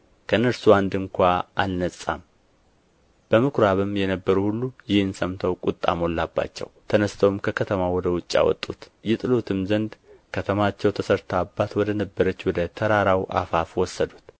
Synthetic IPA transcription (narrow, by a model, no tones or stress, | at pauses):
kʰəɨnːəɾsuand̪ɨŋkʷaalnəsʼa̰m | b̥əmɨkʰɾaβɨmjɛnəbːəɾuhulːujɪhɨnsəmt̪ʰəwkʼut̪ʼːa̰mo̞lːabːa̰t͡ʃːɛ̰wt̪ʰənəst̪ʰəwmkʰəkʰət̪ʰəmawɔd̪əwʊt͡ʃʼːa̰wɔ̰t̪ʼːut̪jɛt̪ʼɨlo̞t̪ʰɨmzənd̪kʰət̪ʰəmat͡ʃːɛwt̪ʰəsəɾt̪ʰabːat̪wɔd̪ənəbːəɾət͡ʃːwɔd̪ət̪ʰəɾaɾawʔa̰fafwɔsːəd̪ut̪